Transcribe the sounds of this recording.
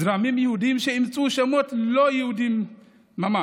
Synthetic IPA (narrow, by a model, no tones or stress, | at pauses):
ɾamimjihud̪imʃeimt͡sʼuʃɛmot̪lojihud̪imː | ama